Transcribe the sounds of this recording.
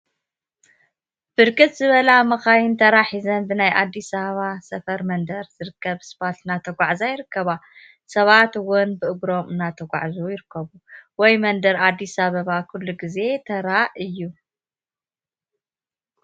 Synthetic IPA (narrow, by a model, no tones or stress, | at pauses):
b̥ɨɾkʼɨt̪zɨβɐlamɐxajɪnt̪ʰɐɾaħizɐnbɨnajʔad̪ːisɐβɐβasɐfɐɾmɐnd̪ɐɾz̥ɨɾɨkʰːɐβsbat̪ɨnat̪ʰɐɡʷaʕzajɪɾɨkːɐβa | sɐβat̪ɨwʊnbɨʔɨɡɾo̞mɨnat̪ʰɐɡʷa̰ʕzujɪɾɨkʰːɐβuwɔjmɐnd̪ɐɾad̪ːisaβɐβakʰulːuɡize̞t̪ʰɐɾaʔɨjːu